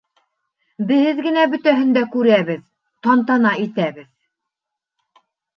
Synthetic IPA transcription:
bɘ̆hɘðɡɘ̆næbɵ̆t̪æɦɘ̆nd̪ækʉɾæβɘð | t̪ɑnt̪ɑnɑʔit̪æβɘð

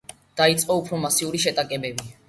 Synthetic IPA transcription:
d̪̥ait̪sʼqʼɔupʰɾɔmasiuɾiʃɛt̪ʼakʼɛbɛbi

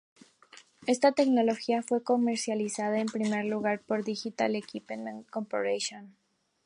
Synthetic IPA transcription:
e̞st̪at̪e̞kno̞lo̞xiafwe̞ko̞me̞ɾsjalisaðaempɾime̞ɾluɣaɾpo̞ɾðixit̪alekipennkompoɾeʃon

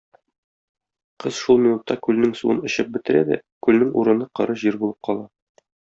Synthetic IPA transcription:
qɤzʃulˠmʲinut̪ːɑkʉlnɘŋsṵɤnŏɕɤp̚bɘ̆t̪ɘ̆ɾæd̪æ̰kʉlnɘŋṵɾɤ̆nɤqɤ̆ɾɤʑiɾbulˠɤp̚qʰɒlˠɑ

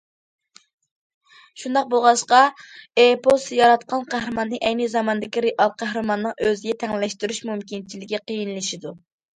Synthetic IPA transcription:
ʃund̪ɑq̚bolˠʁɑʃqɑepʰosjɑɾɑt̪qʰɑnqʰæhɾɨmɑnːɨʔɛjnɨzɑmɑnd̪ɪkʲiɾeʔɑlˠqʰæhɾɨmɑnːɨŋʔøzɪɡʲɛt̪ʰɛŋllɛʃt̪yɾyʃmumkʲint͡ʃʰilɪɡʲiqʰəjinlˠɨʃid̪u

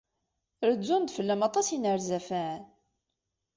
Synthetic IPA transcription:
ɾəd͡zːund̪fəlːæmɑt̪ˤɑsinəɾzæfæʕn

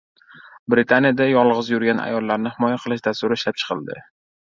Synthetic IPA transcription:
bɾɪt̪ʰanijad̪ajɒlˠʁɨzjʊɾɡʲana̰jɒlːaɾnɪhɪmɒjaqʰɨlˠɪʃd̪ast̪ʊɾɪɪʃlap̚t͡ʃʰɨ̥qɨlˠd̪ɪ̰

